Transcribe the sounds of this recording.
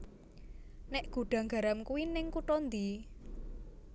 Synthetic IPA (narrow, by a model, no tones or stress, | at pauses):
nɪʔɡ̥ṳɖ̥ä̤ŋɡa̤ɾamkuwinɪŋkuʈɔnd̪i